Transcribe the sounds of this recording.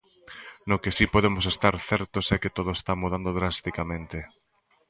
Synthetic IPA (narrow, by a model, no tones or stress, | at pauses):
nokesipoðemʊsest̪aɾθɛɾt̪osɛkɪt̪oð̞oest̪amuð̞and̪oðɾast̪ikamẽnt̪ɪ